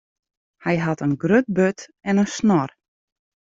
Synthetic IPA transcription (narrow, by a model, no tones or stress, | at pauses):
hɛjɦɑtənɡrøt̚bøtɛnənsnɔr